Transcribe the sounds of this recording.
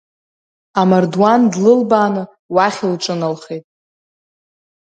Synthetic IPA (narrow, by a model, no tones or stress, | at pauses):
amardwandlɨlbaːnɨ | waχʲilʈ͡ʂʼɨnalχejtʼ